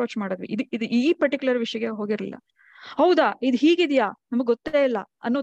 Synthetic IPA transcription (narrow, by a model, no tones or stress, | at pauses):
ot͡ʃmaːɽod̪ʋḭid̪uid̪uʔiːpɐɾʈikʲjulɐɾʋiʂjɐɡeɦo̞ːɡiɾlḭlːɐ̰ | hɐwd̪aːid̪uɦiːɡid̪ijaːnɐmɐɡeɡot̪ːeːilːɐ | ɐnːoː